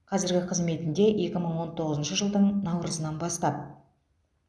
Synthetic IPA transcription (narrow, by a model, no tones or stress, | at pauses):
qʰɑzɪɾɡʲɪqʰəzme̞t̪ɪnd̪e̞ʔje̞kʲɪməɴwo̞nt̪ʰo̞ʁəzənʃəʒəlˠd̪əɴnɑwɾəzənɑnbɑst̪ɑp̚